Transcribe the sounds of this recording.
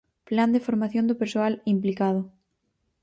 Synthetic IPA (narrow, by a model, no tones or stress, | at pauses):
pland̪efoɾmaθjõnd̪opeɾsoalimplikað̞ʊ